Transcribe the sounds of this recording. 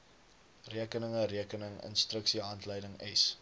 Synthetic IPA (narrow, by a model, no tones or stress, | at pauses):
riəkənəŋəriəkənəŋə̰nstrəksiɦɐntləjdəŋɛs